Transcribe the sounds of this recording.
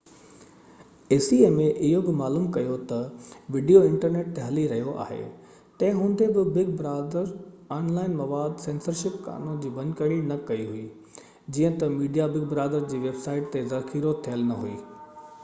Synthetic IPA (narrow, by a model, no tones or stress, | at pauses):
eːsiemẽʔɪɦobɪmaːluːmkɐjot̪ɐʋɪɖijoɪ̃ɳʈəɾneːʈ̚t̪eɦɐliɾɐɦijoʔa̰ːɦḛ | t̪ɐ̃ɦɪ̃ɦʊ̃nd̪ebɪbɪɡ̚bɪɾaːd̪əɾ | aːnlaːɪnmɐʋaːd̪sẽːnsəɾʃɪpka̰ːnõd͡ʑiːbɐ̃nd̪kɐɽ̃inɐkɐiɦuiː | d͡ʑiːə̃t̪ɐmiːɖijabɪɡ̚bɪɾaːd̪əɾd͡ʑiːʋeːbsaːɪʈ̚t̪ezɐxiːɾot̪ʰijəlnɐɦuḭː